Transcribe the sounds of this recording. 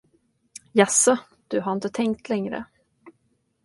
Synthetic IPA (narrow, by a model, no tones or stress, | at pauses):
jasɔ | d̪̥ɵɦaɾɪnt̪ət̪ʰɛŋk̚t̪lɛŋɾə̰